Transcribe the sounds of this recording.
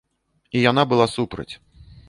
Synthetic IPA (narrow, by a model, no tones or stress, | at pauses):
ijanabɨlˠasupɾɐ̰t͡sʲ